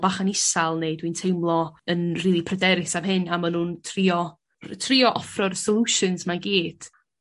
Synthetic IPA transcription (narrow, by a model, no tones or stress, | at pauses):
baχanɪsalˠneɨdwintʰejmlˠɔənriːlˠipʰrədɛɾɪsamɦɪnamanuːntʰriɔ | rtʰriɔʔɔfrɔrsɔlˠuʃɨnsmanɡiːd̥